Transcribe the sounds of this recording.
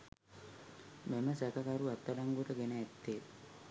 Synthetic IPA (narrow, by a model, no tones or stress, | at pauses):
meməsækakaɾuɛt̪ːəlaŋɡuʈəɡenəːt̪ːe